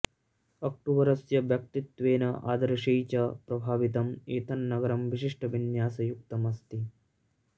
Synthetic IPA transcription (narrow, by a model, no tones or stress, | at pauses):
ɐk̚ʈuʋɐɾɐsjɐʋjɐk̚t̪it̪ʋeːnɐʔa̰ːd̪ɐɾɐʃɐjt͡ʃɐpɾɐbʱaːʋit̪̬ɐmeːt̪ʰɐnːɐɡɐɾɐmʋiʃiʂʈʰɐʋinjaːsɐjuk̚t̪ɐmɐst̪i